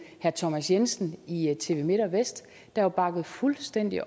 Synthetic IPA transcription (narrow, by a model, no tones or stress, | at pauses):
hæɐt͡sʰɒmæsjensn̩it͡sʰe̝̰ːʋe̝me̝ɾ̥ɐʋesd̥ː | ɑhob̥ɑ̈ɡ̥əð̞̩ˠfulsd̥en̰d̥i